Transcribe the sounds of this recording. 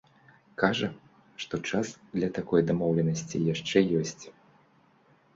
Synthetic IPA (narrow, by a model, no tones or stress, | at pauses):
kaʐɐ | ʂt̪ɔt͡ʂasd̪lʲɐt̪akɔjd̪amɔwlʲɛnɐsʲt͡sʲḭjaʂt͡ʂɛjɔsʲt͡sʲ